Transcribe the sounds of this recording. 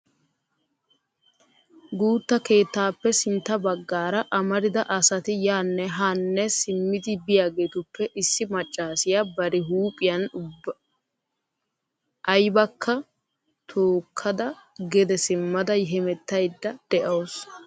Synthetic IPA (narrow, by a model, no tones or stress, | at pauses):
ɡuːt̪ːɐke̞ːt̪ːaːpːɛsɪnt̪ːɐbɐɡːaːɾɐʔɐmɐɾɪd̪ɐʔɐsɐt̪ɪjaːnːɛɦanːɛsɪmːɪd̪ɪbɪjaːɡeːt̪ʊpːɛʔɪsːɪmɐt͡ʃʼːaːsɪjabɐɾɪɦuːpʼɪjɐnʊb | ʔɐjbɐkʰːɐ | t̪ʰoːkʰːɐd̪ɐ | ɡɛd̪ɛsɪmːɐd̪ɐɦɛmɛt̪ːɐjd̪ːɐd̪̥ɛʔoːs